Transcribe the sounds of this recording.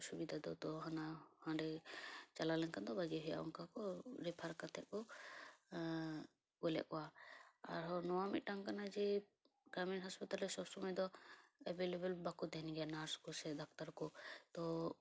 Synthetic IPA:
subid̪ʱad̪ɔt̪ɔɦanahãɳɖɛt͡ʃalalɛnkand̪ɔbad͡ʒiɦɔja̰ʔɔ̰ŋkakɔɾɛpʰaɾkat̪ʰɛʔɔ | ɡɔlɛ̰ʔkɔwaa̰ɾɦɔnɔwamḭt̪̚ʈaŋkanad͡ʒɛ | ɡɾaminɦɔspit̪alɛsɔsɔmɛd̪ɔɛbelebɛlbakut̪ɛnɡɛjanaɾskusɛd̪ak̚t̪aɾkɔt̪ɔ

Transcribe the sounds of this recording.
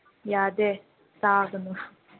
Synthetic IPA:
jaːd̪e | saːɡɐnu

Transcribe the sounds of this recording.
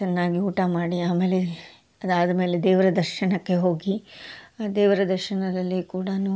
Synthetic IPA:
t͡ʃɐnːaːɡiuːʈamaːɽiaːme̞ːle | ɐd̪aːd̪ɐme̞ːled̪ɛːʋɐɾɐd̪ɐɾʃɐnɐkːe̞ɦo̞ːɡi | d̪ɛːʋɐɾɐd̪ɐɾʃɐnɐd̪ɐlːikuːɽɐnu

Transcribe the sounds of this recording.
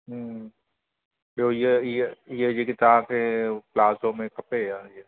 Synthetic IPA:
ɦ | ojejejejekɪt̪aːbeplaːzõmẽkɐpejaje

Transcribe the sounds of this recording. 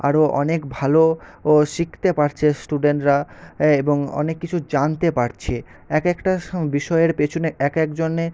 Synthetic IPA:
a̰ɾoʔɔ̰nekbʱaloʃikʰt̪epaɾt͡ɕʰesʈuɖeɳʈɾaeboŋɔ̰nekːit͡ɕʰud͡ʑant̪epaɾt͡ɕʰe | ɛkɛkʈabiʃɔeeɾpet͡ɕʰuneɛkɛkd͡ʑonːe

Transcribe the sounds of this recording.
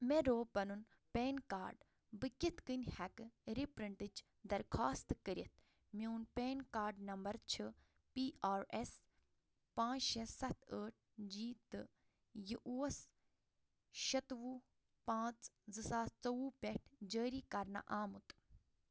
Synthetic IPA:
meɾoːpɐnun | peːnka̰ːɾɖ | bɨkʲit̪kɨnʲhɛkɾipɾɐɳʈɨd͡ʒ | d̪ɐɾkʰaːst̪kəɾʲit̪̚ʰ | miunpeːnkaːɾɖnɐmbɐɾt͡ʃʰɨ | piːʔaːɾes | pãːt͡ʃʃẽsɐt̪ʰəːʈ̚ʰd͡ʒiːt̪ɨ | jiʔuːɐs | ʃɐt̪ʋuː | pãːt͡szɨsaːst͡sɐwuːpʲeʈʰd͡ʒəːɾiːkɐɾna̰ʔaːmut̪

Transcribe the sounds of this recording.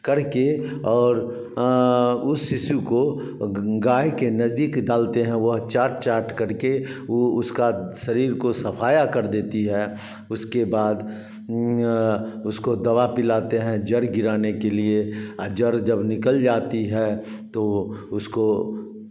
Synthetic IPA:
kɐɾkeɔːɾ | ʊsːɪʃuko | ɡaːjkenɐzd̪iːkdaːlt̪eɦɛ̃ʋɐɦt͡ʃaːɾʈt͡ʃaːɾʈkɐɾkeoʊskaʃɐɾiːɾkosɐfʰaːjakɐɾd̪eːt̪iɦɛː | ʊskebaːd̪ | ʊskod̪ɐʋapɪlaːt̪eɦɛ̃d͡ʒəɾɡɪɾaːnekelied͡ʒəɾd͡ʒɐbnɪkəld͡ʒaːt̪iɦɛ | t̪oʊsko

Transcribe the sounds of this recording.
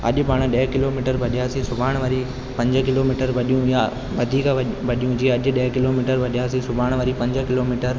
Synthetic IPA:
ɐ̰ʄpaːɽ̃ɗɐːkɪloːmiːʈəɾbʱɐɗijaːsisʊbʱaːɽ̃ʋəɾi | pɐ̃ɲd͡ʒkɪloːmiːʈəɾʋɐɗijũja | ʋɐd̪ʱiːkʋɐɗijũd͡ʑiːɐʄɗeːkɪloːmiːʈəɾbʱɐɗijaːsĩsʊbʱaːɽ̃ʋəɾipɐ̃ɲd͡ʒkɪloːmiːʈəɾ

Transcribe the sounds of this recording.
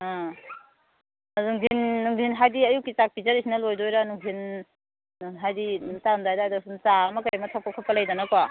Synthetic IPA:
a | zuŋdʱinːuŋdʱinɦajdiɐjukit͡ʃak̚pizaɾisinɐlojdojɾanuŋdʰʱinː | uŋnɦajditamdajdajdasunt͡ʃaɐmɐkaɾamɐtʰapʰakʰapɐlɐjdanakwa

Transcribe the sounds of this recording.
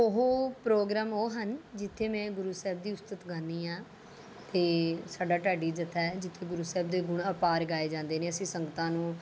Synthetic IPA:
ʊɦoːpɾoːɡɾaːmoːɦənd͡ʒɪt̪ʰːeːmɛ̃ːɡʊɾuːsɛːb̚d̪iːʊst̪ət̪ɡãːniːãː | t̪eːsaːɖaːʈaːɖiːd͡ʒɪt̪ʰːɛːd͡ʒɪt̪ʰːeːɡʊɾuːsɛːbd̪eːɡʊɳəpaːɾɡaːeːd͡ʒãːnd̪eːneːəsĩːsəŋɡət̪ãːnũː

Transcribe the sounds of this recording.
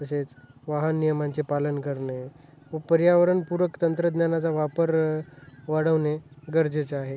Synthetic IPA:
əset͡sʋaɦənːijəmãɲt͡sepalənkəɾne | ʋəpəɾjaʋəɾəɳpuɾəkt̪ənt̪ɾəd̪njanat͡saʋapəɾ | ʋaɽəʋneɡəɾd͡zet͡saɦe

